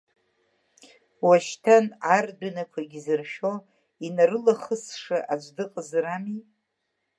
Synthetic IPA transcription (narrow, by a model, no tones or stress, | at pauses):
waʃtʰanardɨnakʷʰaɡʲzɨrʃo | inaɾɨlaχəsʂɨʔad͡ʒʷdɨqʼəzɾami